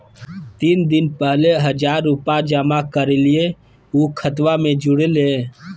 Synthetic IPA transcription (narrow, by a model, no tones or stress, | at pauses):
t̪iːnd̪ɪnpɛɦleɦəd͡ʒaːɾːʊpad͡ʒəmakəɾelie | uːkʰət̪wamẽd͡ʒʊɽelẽː